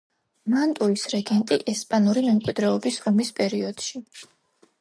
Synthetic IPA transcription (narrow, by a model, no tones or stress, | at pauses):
mant̪ʼuisɾɛɡɛnt̪ʼiʔɛspʼanuɾimɛmkʼwid̪ɾɛɔbisɔmispʼɛɾiɔd̪̥ʃi